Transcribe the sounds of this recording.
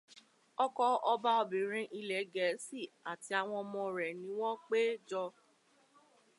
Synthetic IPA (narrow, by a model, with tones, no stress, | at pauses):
ɔ˧kɔ˧ɔ˧ba˦o˧bĩ˨ɾ̃ĩ˧ʔi˧lɛ˨˦ɡɛ˨˦si˦˨a˨ti˨˧a˧w̃ɔ̃˧mɔ̃˧ɾɛ˨nĩ˨˦w̃ɔ̃˦k͡pe˦d͡ʒɔ˧